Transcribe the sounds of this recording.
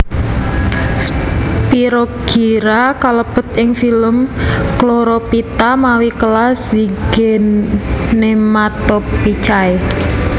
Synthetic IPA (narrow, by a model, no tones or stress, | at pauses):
spiɾoɡ̥iɾakaləpət̪ɪŋfiləmkloɾopit̪amawikəlasiɡ̥ennːemat̪ɔpːit͡ʃae